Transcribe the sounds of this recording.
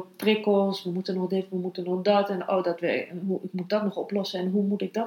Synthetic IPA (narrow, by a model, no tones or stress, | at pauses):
trɪkolˠsʋəmutənɔχdeəʋəmutənɔχdɔtɛno̰wdɔtʋɛɦuɪkmut̚dɔtnɔχɔ̰plɔsəɛnɦumutɪk̚dɔ